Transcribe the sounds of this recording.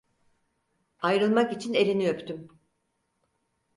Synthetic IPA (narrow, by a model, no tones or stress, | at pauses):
ajɾɯlˠmakit͡ʃʰine̞lʲinijøpt̪ʰym